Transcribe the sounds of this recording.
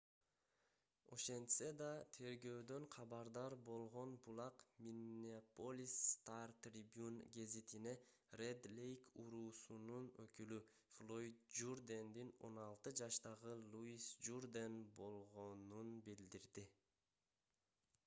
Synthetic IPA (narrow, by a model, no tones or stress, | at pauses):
o̞̰ʃe̞nt̪sed̪ɑt̪ʰe̞ɾɡø̞ːd̪ø̞ɴqʰɑbɑɾd̪ɑɾbo̞lˠʁo̞nbulˠɑqmʲinʲiapolʲist̪art̪rʲibjunɡezit̪ine̞ | red̪lʲejkuɾuːsununøkyly | flˠoit̪̚d͡ʒurd̪end̪ino̞̰nɑlˠt̪ɯd͡ʒɑʃt̪ɑʁɯlˠuisd͡ʒurd̪enbo̞lˠʁo̞nunbild̪iɾd̪i